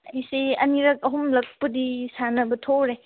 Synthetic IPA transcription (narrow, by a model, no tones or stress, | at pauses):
isiɐniɾɐk̚ɐɦumlɐk̚pədisanɐbɐtʰoɾe